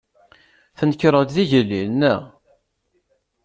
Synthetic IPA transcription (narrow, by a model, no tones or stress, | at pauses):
θənkːɾˤət̪ðiʝəlːinːə̰